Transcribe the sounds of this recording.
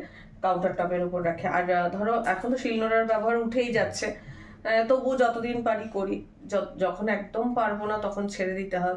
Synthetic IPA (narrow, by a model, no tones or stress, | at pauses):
kawɳʈaɾʈɔpeɾupoɾːɛkʰea̰ɾd̪ʱɔɾoʔɛkʰont̪oʃilnoɾaɾbɛboɦaɾuʈʰejd͡ʑatːɕʰe | t̪obud͡ʑɔt̪od̪inpaɽikoɾi | ɔd͡ʑɔkʰonɛk̚d̪ompaɾbonat̪ɔkʰont͡ɕʰeɾed̪it̪eɦɔebe